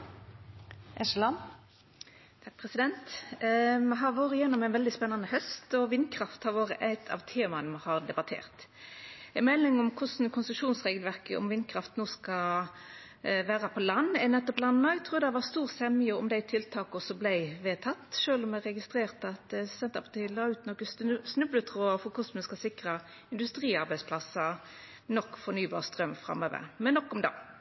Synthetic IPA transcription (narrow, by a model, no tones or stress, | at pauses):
ʔɛʃəlɑn | t̪ʰɑk̚pʰɾɛsɪd̪ɛnt̪ | mɛɦɑʋoːɾəjɛnːɔmæɪnʋɛld̪ɪspɛnːɑnəhœst̪ɔʋɪnkʰɾɑft̪hɑʁʋoːɾəʔæɪt̪ʰɑ̰ːʋt̪ʰeːmɑnhɑʁd̪ɛbɑt̪ʰḛːʁt̪ | æɪmɛlɪŋɔmkʰʊsnkʰʊnsəʃuːnsʁeːɡəlʋæʁkəʔɔ̰mʋɪnkʰɾɑft̪noːskɑ | ʋæːɾəpʰɔlɑnːɛnɛt̪ːɔplɑnːɑɛt̪ʰʁuːɾd̪ɛʋɑst̪uːʁsɛmjəɔmd̪æɪt̪ʰɪlt̪ʰɑːkɔsɔblæɪʋeːt̪ʰɑt̪ːʃøːlɔmɛʁɛɡɪst̪ʁeːʁt̪ɑt̪sɛnt̪ɑpʰɑt̪ʰiːlɑːʉːt̪nɔkːəsnʉblət̪ʰʁoːəfɔʁkʰʊsn̩d̪ɛskɑsɪkʁə | ɪnd̪ʉst̪ʁiːɑɾbæɪspʰlɑsɑ | nɔkːfɔʁnyːbɑːʁst̪ʁœmfɾɑ̰møːʋə̰ʁmɛnːɔkːɔmd̪ɑ̰